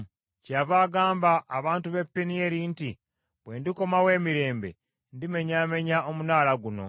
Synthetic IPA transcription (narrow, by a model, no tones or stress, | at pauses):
cavaːɡaːmbaʔːβaːntuβe̞pːenie̞ɾinti | βwe̞ːndiko̞mawe̞ːmiɾe̞ːmbḛ | ndime̞ɲaːme̞ɲao̞munaːlaɡuno̞̰